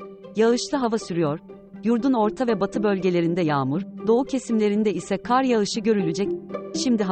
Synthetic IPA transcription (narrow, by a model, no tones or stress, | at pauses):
jaɯʃlˠɯɦavasyɾyjoɾ̥ | juɾd̪uno̞ɾt̪ʰavɛbat̪ʰɯbø̞lʲɟelʲe̞ɾind̪ɛjaːmuɾ̥d̪o̞ucʰe̞simlʲe̞ɾind̪ɛisɛkʰaɾjaɯʃɯɟø̞ɾylʲyd͡ʒɛcʃimd̪iɦ